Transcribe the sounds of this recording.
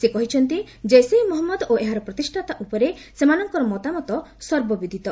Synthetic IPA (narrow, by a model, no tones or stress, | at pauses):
sekɔɦit͡ʃʰɔnt̪i | d͡ʒesejmɔɦɔmːɔd̪oʔeɦaɾɔpɾɔt̪isʈʰat̪aʔupɔɾesemanɔŋkɔɾɔmɔt̪amɔt̪ɔsɔɾbɔbid̪ʱit̪ɔ